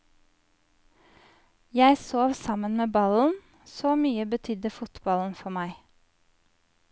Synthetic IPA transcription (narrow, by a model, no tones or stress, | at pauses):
jæɪsoːʋsɑmənmeːbɑln̩ | soːmyːəbət̪ʰʏd̪əfʊt̪bɑln̩fɔmæɪ